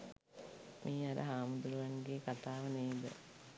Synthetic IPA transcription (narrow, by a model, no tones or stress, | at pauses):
mʔiːaɾɐ̰ɦaːmud̪uluʋɐŋɡeːkat̪aːʋəneːd̪ə̰